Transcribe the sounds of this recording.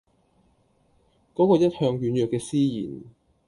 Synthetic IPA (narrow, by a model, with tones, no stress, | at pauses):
kɔː˨˥kɔː˧jɐ˥t̚hœː˧ŋjyː˨˥njœː˨kːɛː˧siː˥jḭː˨˩n